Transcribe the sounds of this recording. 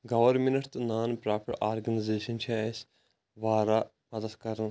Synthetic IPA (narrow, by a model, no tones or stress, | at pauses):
ɡɐʋɐɾminɐʈt̪naːnpɾaːpʰɐɾaːɾɡɐnizeːʃɐnt͡ʃʰiɐs | ʋaːɾa | pɐd̪ɐskɐɾən